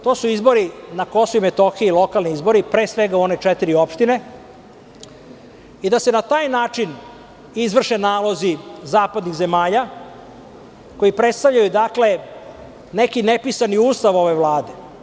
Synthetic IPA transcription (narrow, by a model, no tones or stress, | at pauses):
t̪o̞ːsuizbo̞ɾinako̞soimet̪oxieilˠo̞kalniizbo̞ɾipɾe̞ːsʋe̞ɡauo̞ne̞t͡ʂɛt̪iɾio̞pʃt̪ine̞ | id̪ase̞nat̪aːjnaːt͡ʂin | izʋr̩ʃe̞naːlo̞zizaːpad̪niɣze̞maːʎa | ko̞jipɾet̪st̪avʎajud̪akle̞ | ne̞kinepisaniuːst̪aʋo̞ʋe̞ʋlˠaːd̪e̞